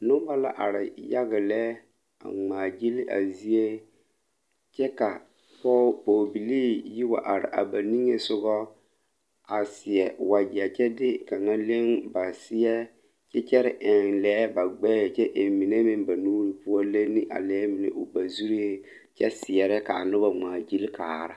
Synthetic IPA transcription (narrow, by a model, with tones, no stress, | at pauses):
nʊ˦ba˦la̰˦ʔa̰˨ɾɪ̰˨ja˦ɣɪ˨lɛ˦ | a̰˨ŋ͡maː˨d͡ʒi˦li˦ʔa̰˨zi˦e˦ | t͡ʃɛ˦ka˨ | pɔ˦po˨bi˨liː˦ji˦wa̰˨ʔa˨ɾɪ̰˨ʔa̰˨ba˨ni˦ŋe˦sʊ˦ɡɔ˦ | a˨sɪ˨ɛ˨wa˨d͡ʒi˨a˨t͡ʃɛ˦dɪ˦ka˨ŋa˦le˦ŋba˨sɪ˦jɛ˦ | t͡ʃɛ˦t͡ʃɛ˦ɾɪ˦˨ʔɪ˨nlɛː˦ba˨ɡ͡bɛ˦˨t͡ʃɛ˦ʔɪ˨mɪ˨ne˦mɪ˦nba˨nuː˦ɾi˨pʊ˦ɔ˦le˦nɪ˦ʔa̰˨lɛː˦mɪ˨nɪ̰˨ʔʊ˨ba˨zu˦ɾe˦e˦ | t͡ʃɛ˦sɪ˨ɛ˨ɾɛ˦ka˨nʊ˦ba˦ŋ͡maː˨d͡ʒi˦lkaː˨ɾa˨˦